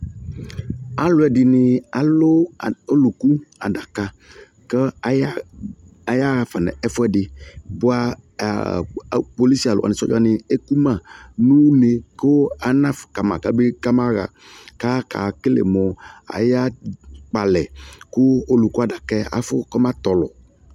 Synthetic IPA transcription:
a˨lʊ˨ɛ˨dɪ˨nɪ˨a˨lʊ˦˨o˦lu˨ku˦a̰˨da˨ka˨ | kə˦˨˦ | a˨ja˦ɣa˨fa˨nɛ̰˨ɛ˦fʊ˦ɛ˦dɪ˨bʊ˦a̰˦˨ | po˨li˦si˦a˨lʊ̰˨a̰˨nɪ̃˨sɔ̰˦d͡ʒa˦nɪ˨e˦ku˦mã˦˨nũ˦ne˨ko˦a˨nã˦fka˨ma̰˨ka˦be˦ka˦ma˦ɣa̰˨ | ka˦kʰa̰˨kɪ˦lḛ˨mɔ˨a̰˨ja˦k͡pa˨lɛ˨kʊ˦o˦lu˨ku˦a˨da˨kɛ˦a̰˨fʊ˦kɔ˦mã˦t̪ɔ˨lɔ̰˨

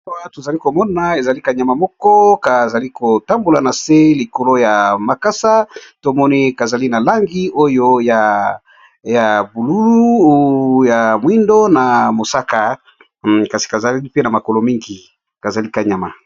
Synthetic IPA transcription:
wa˦to˨za˨li˦ko˨mɔ˦na˨e˨za˨li˦ka˨ɲa˨ma˨mɔ˦kɔ˦ka˨za˨li˦ko˨ta˦mbo˨la˨na˨se˦li˨ko˨lo˦ja˨ma˨ka˦sa˦to˦mɔ˦ni˦ka˨za˨li˦na˨la˦ŋɡi˦o˦jo˦ja˨ | ja˨bu˨lu˦lu˦ | ja˨mwi˦ndo˦na˨mo˨sa˦ka˨ | ka˨si̥˨ka˨za˨li˦pe˦na˨ma˨ko˨lo˨mi˦ŋɡi˨ | ka˨za˨li˦ka˨ɲa˨ma̰˨

